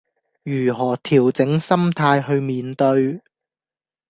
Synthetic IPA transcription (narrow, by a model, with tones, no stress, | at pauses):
jyː˨˩ɦɔː˨˩t̪ʰiː˨˩wt͡sɪ˨˥ŋsɐ˥mt̪ʰaː˧jɦɵ˧ɥmiː˨˧nt̪ɵ˧ɥ